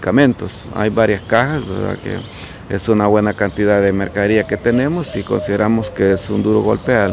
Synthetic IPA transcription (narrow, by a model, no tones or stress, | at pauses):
kamẽnt̪osa̰jbaɾjaskaxasbeɾða̰kḛ | ḛsunaβwe̞nakant̪ið̞aðemeɾkaɾiaket̪enemosiko̞̰nsiðeɾamoskeesund̪uɾoɣo̰lpeal